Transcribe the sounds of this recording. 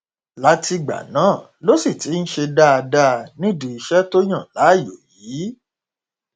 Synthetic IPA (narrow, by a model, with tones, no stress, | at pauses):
la˨˦ti˧ɡ͡ba̰˨nãː˨˦˨ | lo˦si˦˨ti˨˦n̩˦ʃe˧da˦a˧da˦˧nĩ˦˨dũ˨i˧ʃɛ˦to˦j̃ã˦˨la˨˦˨jo˨jiː˨˦